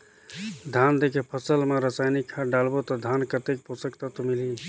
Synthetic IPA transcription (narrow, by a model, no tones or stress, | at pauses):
d̪ʱand̪ekʰepʰəsəlmeɾəsajnikʰːaɖalbot̪ɔd̪ʱankət̪ek̚posəkt̪ət̪mili